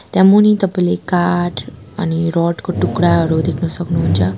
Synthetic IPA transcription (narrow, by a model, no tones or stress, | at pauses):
t̪jãmunit̪əplekaʈ | ə̰niɾɔʈkoʈukɽaəɾod̪ekʰnusəknuɦunt͡ʃa